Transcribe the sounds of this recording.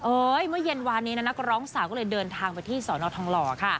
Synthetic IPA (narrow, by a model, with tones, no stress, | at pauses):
ʔɤː˧jmɯ˥˩ɐje˧nwaː˧nːiː˦˥na˦˥na˦˥kɾɔː˦˥ŋsaː˨˩˦wkʰɔ˥˩ɤː˧jdɤː˧nt̪ʰaː˧ŋpa˧jt̪ʰiː˥˩sɔː˩˦nɔː˧˩t̪ʰɔ˧ŋlɔː˧kʰa˥˩